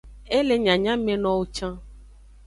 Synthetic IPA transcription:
e˦le˨ɲã˨ɲã˦mẽ˨nɔ̃˨wo˦t͡ʃã˦

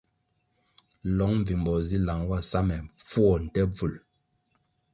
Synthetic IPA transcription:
lɔ˨˦ŋm˨vi˨mbɔ˨zi˦la˨ŋwa˦˨sa˦mɛ˨fwɔ˦˨n̩˨tɛ˦b͡vu˨l

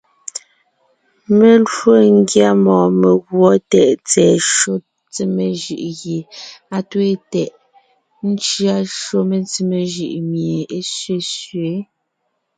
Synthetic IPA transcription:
me˨lo˦˨ŋ˦ɡja˦mɔ̃ː˨me˨ɣwɔ˦tɛ˨ʔt͡sɛː˨ʃo˦ | t͡si˦me˨ʒʉ̰˨ʔɣje˨a˦twe˦tɛ˨ʔ | n̩˦t͡ʃɰa˦ʃo˦me˨t͡si˦me˨ʒɯ̰˨ʔmje˨e˦sɥe˦˨sɥe˨˦

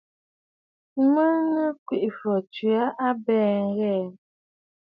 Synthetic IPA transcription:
mə˦ŋə˦kwi˨ʔfɔ˨t͡ʃɥa˦ʔa˦bɛː˦˨ŋ̩˦ɣɛ˦˨

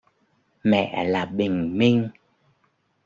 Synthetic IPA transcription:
mɛ̰˧˨laː˨˩ɓï˨˩ŋ̟mi˧ŋ

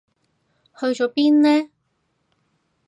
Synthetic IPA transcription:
hɵ˧ɥt͡ʃɔː˨˧˥piː˥nnɛː˥

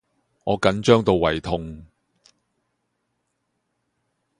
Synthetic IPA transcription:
ŋɔː˨˧kɐ˨˥nt͡ʃœː˥ŋt̪o˨˧wːɐ˨˩jt̪ʰʊ˧ŋ

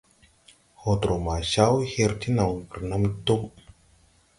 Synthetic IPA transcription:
ho˨t̪ɾo˨ma˨ʃa˦whe˧ɾt̪ʰi˦na˨wkə˨ɾna˦mt̪u˦m

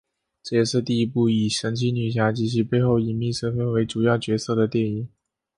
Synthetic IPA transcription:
ʈ͡ʂɤ˥˧jɛ˥˧ʂɻ̩˥˧t̪i˥˩i˧˥pu˥˩i˨˩ʂə˧˥ŋt͡ɕʰi˧˥ny˨˩ɕ̬ja˧˥t͡ɕi˥˧ɕ̬y˥˧pe˥˧ɪxo˥˩ʊi˨˩nmi˥˩ʂɤ˥nfə˥nwe˧˥ɪʈ͡ʂu˨˩jɑ˥˩ʊt͡ɕɥɛ˧˥sɤ˥˩d̪ə˩t̪jɛ˥˩ni˨˩˦

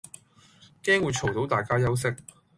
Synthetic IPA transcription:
kɛː˥ŋwuː˨˧jt͡ʃʰo˨˩wt̪o˨˥wt̪aː˨˩jkaː˥jɐ˥ws̬ɪ˥k̚

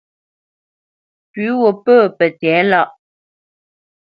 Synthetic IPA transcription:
pʉ˨˦wo˨pəː˦˨pə˨t͡sɛ˨˦la˦˨ʔ

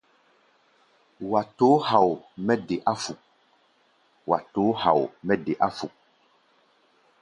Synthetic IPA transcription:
wa˨to˨˦ha˨wmɛ˦ɖe˨ʔa˦fu˨ | wa̰˨to˨˦ha̰˨wmɛ˦ɖe˨ʔa˦fu˨

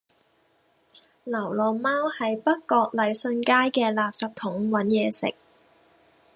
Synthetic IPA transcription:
lɐ˨˩wlɔː˨maː˥whɐ˨jpɐ˥t̚kɔː˧k̚lɐ˨˧jsɵ˧nkaː˥jkɛː˧laː˨p̚sɐ˨p̚t̪ʰʊ˨˥ŋwɐ˨˥njɛː˨˧sɪ̰˨k̚

